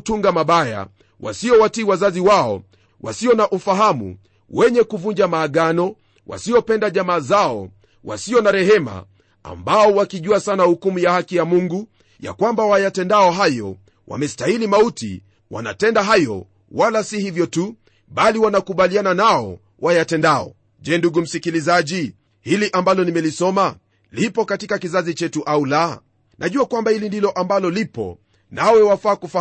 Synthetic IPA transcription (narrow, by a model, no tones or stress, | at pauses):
tuŋɡamaɓaja̰ | wa̰siɔwatiwazaziwaɔ̰ | wa̰siɔnaʔufaɦamṵ | wɛɲɛkuvuɲd͡ʒamaːɠanɔ | wa̰siɔpɛndaʄamaːzaɔ̰ | wa̰siɔnaɾɛhɛma̰ | a̰mbaɔwakiʄuasanahukumujahakijamuŋɡu | ja̰kwambawajatɛndaɔɦajɔ̰ | wa̰mɛstailimautḭ | wa̰na̰tɛndaɦajɔ̰ | walasihivjɔtu | ɓaliwanakuɓaliananaɔ̰ | wʔajatɛndaɔ̰ | ʄɛːnduɡum̩sikilizaʄi | hiliʔambalɔnimɛlisɔma | lipɔkatikakizazit͡ʃɛtuʔaula | nʔaʄuakwambahilindilɔʔambalɔlipɔ̰ | nawɛwafaːkufa